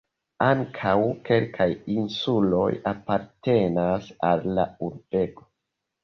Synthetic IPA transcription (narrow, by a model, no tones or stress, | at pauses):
aŋkʰawke̞lkʰajinsulo̞̰japaɾte̞nasalːa̰uɾb̥e̞ɡo̥